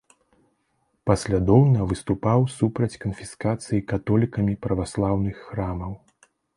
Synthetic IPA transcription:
pɐsʲlʲad̪ɔwnɐvɨst̪upawsupɾɐt͡sʲkɐnfʲiskat̪sɨjikat̪ɔlʲikɐmʲipɾɐvaslˠawnɨxːɾamɐw

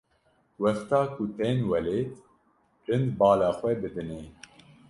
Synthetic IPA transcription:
wɛxt̪ɑːkʊt̪eːnwɛleːt̪ | ɾɨnd̪bɑːlɑːxʷɛbɨd̪ɨneː

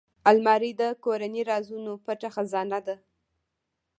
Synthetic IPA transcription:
almɑɾid̪əkoɾaniɾɑzunopəʈaxazɑnad̪a

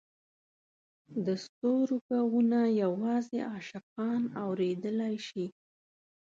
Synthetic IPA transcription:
d̪əst̪oɾukawunajawɑzeʔɑʃɪqɑnawɾed̪əlajʃi

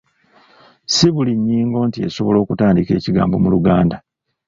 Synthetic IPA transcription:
siβuliɲːiːŋɡo̞ːntie̞̰so̞βo̞lo̞ːkutaːndike̞̰ːciɡa̰ːmbo̞muluɡaːnda

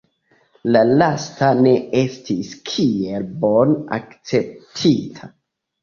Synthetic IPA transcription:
lalastane̞e̞stiskʰie̞lbo̞na̰kt͡se̞p̚tʰitʰa

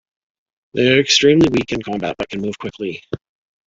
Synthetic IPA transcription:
ðeɪə˞ɨkstɹ̥ĩmliwikɨ̃nkʰɑ̃mbæ̰t̚b̥ʌt̚kʰɨ̃n̩muv̥kʰw̥ɪkʰli

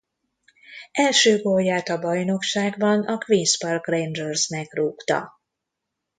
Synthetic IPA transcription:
ɛlʃøːɡojaːt̪ɒbɒjno̞kʃaːɡbɒnɒkʋinspɒrkrejnd͡ʒɛrznɛkruːkt̪ɒ̰

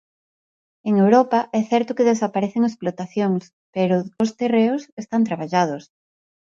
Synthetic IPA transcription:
eŋewɾopaʔɛθɛɾt̪ʊkeðesapaɾɛθeŋesplot̪aθjoŋs | peɾʊːst̪ereʊsest̪ant̪ɾaβaʎað̞os

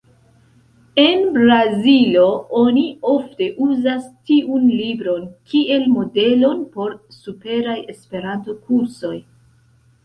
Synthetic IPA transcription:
e̞nbɾazilo̞o̞nio̞fte̞ʔuzastiʔunlibɾo̞nkʰiʔe̞lmo̞de̞lo̞npo̞ɾsupe̞ɾaje̞spe̞ɾanto̞kuɾso̞j

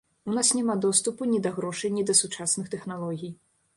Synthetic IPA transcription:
unasnʲɛmad̪ɔst̪upunʲid̪ɐɣɾɔʂɨjnʲid̪ɐsut͡ʂasnɨxt̪ɛxnalˠɔɣʲij

